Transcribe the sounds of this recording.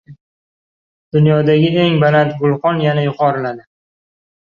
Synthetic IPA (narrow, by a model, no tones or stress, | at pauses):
d̪̥ʊnjɒd̪aɡʲɪeŋbanat̪ɡʊlˠqɒnjanajʊqʰɒɾɪlad̪ɪ